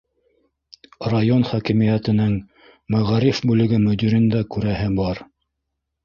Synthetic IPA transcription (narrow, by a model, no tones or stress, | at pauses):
rajonχækĭmijæt̪ɘ̆nɘŋ | mæʁæɾifbʉlɘ̆ɡɘmɵ̆d̪iɾɘ̆nd̪ækʉɾæɦɘbɑɾ